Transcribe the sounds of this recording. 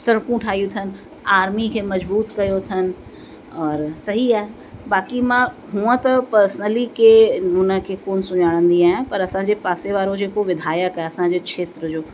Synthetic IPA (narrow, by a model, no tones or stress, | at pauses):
sɐɽ̃kũʈʰaːɦijũt̪ʰənɪ̆ | aːɾmikʰeːmɐd͡ʑbuːt̪kɐjot̪ʰənɪ̆ | ɔːɾsɐɦiaːɦe | baːkimã | ɦũːə̃t̪ɐpɐɾsənəlikʰeːɦʊnə̆kʰeːkoːnsʊɲaːɽ̃ə̃nd̪iaːɦɪ̃pɐɾɐsãɲd͡ʑepaːseʋaːɾod͡ʑeːkoʋɪd̪ʱaːjəkaɦeɐsãɲd͡ʑeːkʃʰeːt̪ɾəd͡ʑoː